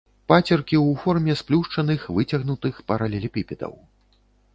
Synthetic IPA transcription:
pat͡sʲɐrkʲiwfɔrmʲɛsplʲuʂt͡ʂɐnɨxvɨt͡sʲɐɣnut̪ɨxpɐɾɐlʲɛlʲipʲipʲɛd̪ɐ̰w

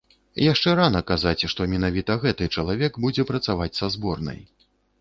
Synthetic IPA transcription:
jaʂt͡ʂɛɾanɐkazat͡sʲʂt̪ɔmʲɛnavʲit̪ɐɣɛt̪ɨt͡ʂɐlˠavʲɛɡbud͡zʲɛpɾɐt̪savat͡sʲsazbɔrnɐ̰j

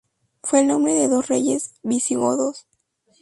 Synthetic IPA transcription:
fwe̞ːlnõ̞mbɾe̞ðe̞ðo̞sre̞̰ʝe̞zbisiɣoðos

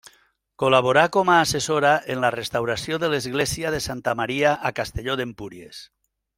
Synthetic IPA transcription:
kolaβ̞oɾakomaːsesoɾaʔenlarest̪awɾasjoðelezɣlesiaðesant̪amaɾiaʔakast̪eʎoðempuɾjḛs

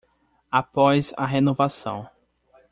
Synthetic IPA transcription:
apɔjza̰ɦenovasɐ̰̃w̃

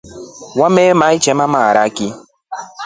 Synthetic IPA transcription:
wamemait͡ʃɛmamaɾakɪ

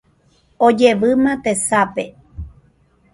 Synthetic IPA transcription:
od͡ʒeʋɨmãt̪esape

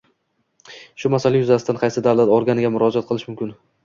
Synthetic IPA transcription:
ʃʊmasalajʊzasɪd̪anqʰɑjsɪd̪awlˠat̪ɒɾɡʲanɪɡʲamʊɾɒd͡ʒat̪̚qʰɨlˠɪʃmʊmkʲɪn

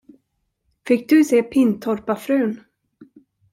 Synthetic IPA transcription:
fɪk̚ːd̪ɵseːpʰɪnt̪ʰɔɾpafɾʉ̟ːn

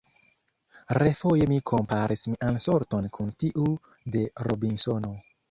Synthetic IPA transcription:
ɾefo̞je̞mikʰo̞mpaɾismiʔanso̞ɾto̞nkʰuntiʔu | de̞ɾo̰binso̞no̞

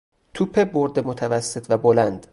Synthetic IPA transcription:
t̪ʰupʰeboɾd̪emot̪ʰævæsːet̪ʰvæbolænd̪

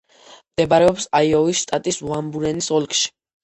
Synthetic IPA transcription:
md̪̥ɛbaɾɛɔpsaiɔvisʃt̪ʼat̪ʼisvambuɾɛnisɔlkʰʼʃi̥

